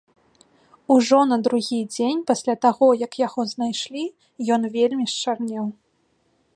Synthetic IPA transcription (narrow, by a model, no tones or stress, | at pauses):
uʐɔnɐd̪ɾuɣʲid͡zʲenʲpasʲlʲat̪aɣɔjɐkjaɣɔznajʂlʲi | jɔnvʲelʲmʲiʂt͡ʂarnʲɛw